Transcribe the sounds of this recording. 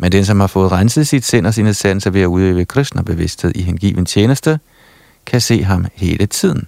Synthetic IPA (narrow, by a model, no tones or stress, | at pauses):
mend̥ensɒ̽mhɑ̈fɔ̽ːð̩ˠʁansəð̩ˠsid̥sen̰ɒs̬ineðsæn̰̩sɐʋe̝æuðˠḛʋəkʰʁɛsd̥nɐb̥e̝ʋe̝sd̥he̝ð̞̰ˠiɦenɡ̥ḭːʋən̩t͡ɕʰjeːnəsd̥ə | kʰæse̝̰ːɦɑ̈mhe̝ːlət͡sʰið̰ˠn̩